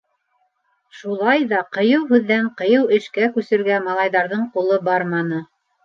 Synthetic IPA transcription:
ʃulˠɑjðɑqɤ̆jɤwɦʉðːæɴqɤ̆jɤwɘ̆ʃkækʉsɘ̆ɾɡæmɑlˠɑjðɑɾðɤɴqulˠɤbɑɾmɑnɤ

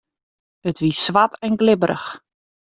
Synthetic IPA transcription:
ətʋisʋatɛnɡlɪbəɾʔə̰x

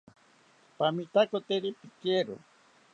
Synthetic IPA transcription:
pamit̪akot̪eɾipikeɾo̰

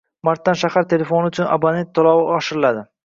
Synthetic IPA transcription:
maɾt̪ːanʃahaɾt̪ʰe̞le̞fo̞nɪʊt͡ʃʰʊna̰banet̪ʰːolˠɒwɪɒʃɪɾɪlad̪ɪ

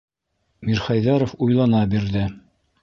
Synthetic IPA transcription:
miɾχɑjðɑɾofujlˠɑnɑbiɾðɘ

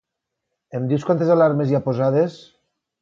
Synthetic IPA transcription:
emd̪iwskwant̪ezalaɾmeziapozaðes

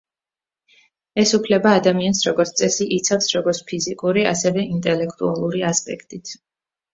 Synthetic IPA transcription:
ɛsupʰlɛbaːd̪amiansɾɔɡɔɾt̪st̪sʼɛsiʔit̪sʰafsɾɔɡɔɾt̪spʰizikʼuɾia̰sɛvɛint̪ʼɛlɛkʰt̪ʼualˠuɾiaspʼɛ̰kʰt̪ʼit̪ʰ

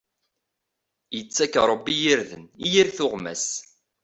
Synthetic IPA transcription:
jət͡sːækːɾˤəbːijiɾðə̰nijiɾθʊʁmæ̰s

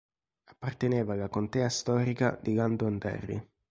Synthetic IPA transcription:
apːart̪eneːvaːlːakont̪ɛːast̪ɔːɾika̰d̪iɡand̪oand̪ɛ̰rːḭ

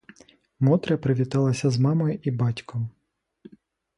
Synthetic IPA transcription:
mɔt̪ɾɐpɾɪʋʲit̪ɑlˠɐsʲɐzmɑmɔjʊʔibɑtʲkʰɔm

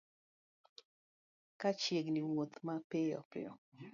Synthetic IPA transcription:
kat͡ʃjeɡniwot̪mapɪjɔ̰pɪ̰ɔ̰

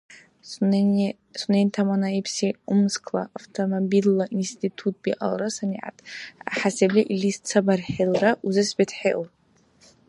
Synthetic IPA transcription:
sunentʰamanaipʰsiʊmskʰlaʔaftʰomobilːaʔinstʰitʰut̚ʰb̥iʔa̰lrasaniʕa̰tʼa̰ħaseblʲiʔilist͡sʰabarħelraʔuzɨsbetʰħeʔo

